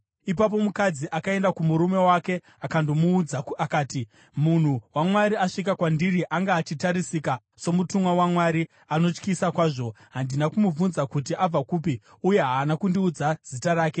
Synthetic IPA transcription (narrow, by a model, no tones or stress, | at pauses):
ip̬ap̬o̞mukad͡ziʔakae̞ndakumuɾume̞wake̞ | akandomuːd͡zaakaːti | mun̤uwamwaɾiaʂikakwandiriʔaŋɡaːt͡ʃitaɾisika | so̞mutumwawamwaɾi | ano̞t͡ʃkisakwaːʐo̞ | ɦandinakumuvunzakutiab͡vakuːp̬i | uje̞ɦaːnakundiud͡zaz̥itaɾaːke̞